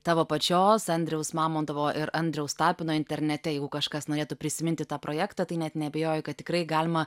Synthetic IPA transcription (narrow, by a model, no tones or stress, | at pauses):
t̪ɑːʋoːpɐt͡ʃʲoːsɐnʲd̪ʲɾʲɛʊsmɑːmoːnd̪ɐʋoːʔɪɾɐnʲd̪ʲɾʲɛʊst̪ɑːpʲɪnoːɪnʲt̪ʲɛɾʲnʲɛt̪ʲɛjɛɪɡʊkɐʃkɐsnoːɾeːt̪ʊpʲɾʲɪsʲɪmʲɪnʲt̪ʲɪt̪ɑːpɾoːjæːkt̪ɐt̪ɐɪnʲɛt̪nʲɛɐbʲɛjoːjɪkɐt̪̚tʲɪkɾɐɪɡɑːlʲɪmɐ